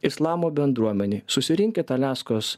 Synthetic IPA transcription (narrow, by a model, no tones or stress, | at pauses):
ɪslˠɑːmoːbʲɛnd̪ɾuɔmʲɛnʲeːsʊsʲɪɾʲɪŋʲkʲeːt̪ɐlʲæːskoːs